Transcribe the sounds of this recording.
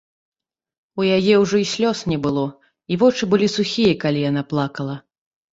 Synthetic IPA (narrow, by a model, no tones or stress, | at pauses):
ujajɛwʐɔisʲlʲɔsnʲɛbɨlˠɔ | ivɔt͡ʂɨbɨlʲisuxʲijɐkalʲijanaplˠakɐlˠɐ